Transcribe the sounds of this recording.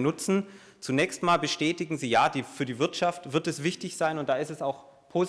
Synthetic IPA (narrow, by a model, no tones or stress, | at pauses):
nʊt͡sn̩ | t͡sunɛːçstmaːlbəʃtɛːtɪɡŋ̩ziːjaːd̥iːfyːɐdiːvɪɐtʃaftv̥ɪɐtɛsv̥ɪçtɪçz̥aɪnʊnt̚d̥aːɪstɛsaʊx | pʰoːz